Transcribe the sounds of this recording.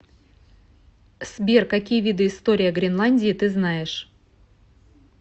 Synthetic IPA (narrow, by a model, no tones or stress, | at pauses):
sbʲerkɐkʲijəvʲid̪ɨɪst̪o̞ɾʲɪjəɡɾʲɪnlˠanʲdʲɪɪt̪ɨznajɪʂ